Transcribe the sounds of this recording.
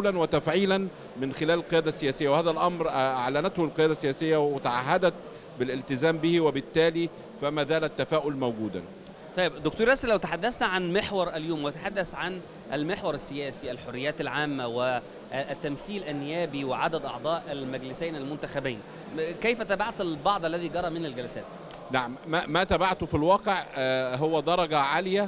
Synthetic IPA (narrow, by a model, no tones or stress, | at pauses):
lænwɪt̪æfʕiːlæn | mɪnxɪlæːllqejæːd̪æsːɪjæːsɪjːæwehæːðælʔɑmɾʔaʕlænæt̪hʊlqejæːd̪æsːejæːsɪjːæwɪt̪aʕaɦːad̪æt̪̚ | bɪlɪlt̪ɪzæːmbɪhiwɪbɪt̪ːæːliː | fæmæːzæːlæt̪ːæfæːʔʊlmæwɡuːd̪æ̰ | t̪ˤɑjːebd̪ʊk̚t̪uːɾˤʔæslːæwt̪aħad̪ːæsnæʕanmeħwɑɾˤʔæljuːmwɪt̪aħad̪ːæsʕan | ʔælmeħwɑɾˤæsːɪjæːsiʔælħorːɪjːæːt̪ælʕaːmːæwɪ | t̪ːæmθiːlʔænːɪjæːbiwɪʕad̪æd̪ʔɑ̰ʕd̪ˤɑːʔælmæɡlɪsæjnælmʊnt̪æxæbæjn | kæjfæt̪æːbaʕt̪ælbɑʕd̪ˤʔælːæðiːɡɑɾˤɑmɪnælɡælæsæ̰ːt̪̚ | naʕmːæːæt̪æbaʕt̪ofilwɑːqeʕɦowːæd̪ɑɾˤɑɡæʕaːlɪjæ